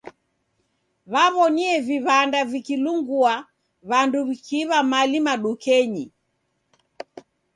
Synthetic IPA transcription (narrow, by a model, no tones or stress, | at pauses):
βaβɔniɛviβandavikiluŋɡua | βanduβikiβamalimaɗukɛɲi